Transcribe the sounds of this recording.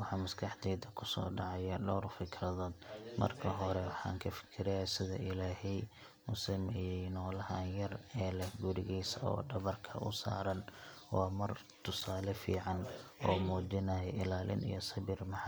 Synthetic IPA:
wɑħɑːmɐskʰɑħd̪ɛːd̪ɐkʰʊsɔ̰ːɖɑʕɑjɐɖɔrfɪkʰrɐðɔːd̪mɐ̰rkʰɐɦɔɾɛwɑħɑ̰ːŋkʰɐfɪ̥kʰɪɾɛjasɪðɐ̰ʔɪlaːɦɛj | mʊsɪmɛɪjɛnɔːlɐɦanjɐrɛːlɐɡʊɾɪɣɛjsɔ̰ːɖɐβɐrkʰɐ̰ʔʊ̰sa̰ːɾɐn | wɑːmɐr | t̪ʰʊsaːlɛfḭːʕɑn | ɔːmuːd͡ʒɪnɐːjɛʔɪlaːlɪ̰nḭjɔsɐβɪrmɑħ

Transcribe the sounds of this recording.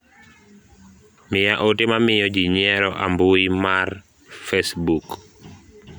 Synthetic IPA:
mɪjaʔotemamɪjɔd͡ʒiɲɛɾɔʔa̰mbʊimar | fɛsbuk

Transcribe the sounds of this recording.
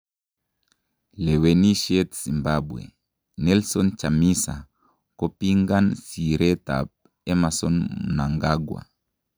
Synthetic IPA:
lɛwɛniʃɛtsimbabwɛ̰ | nɛlsɔnt͡ʃamisa | kɔpiŋɡansiɾɛta̰p̚ | ɛmasɔnmunaŋɡaɡwa̰

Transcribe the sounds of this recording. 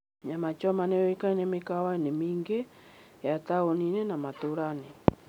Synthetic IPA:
ɲamat͡ʃɔmanɛjɔikainemekawainemiːŋɡe | jataoninɛnamatoɾane

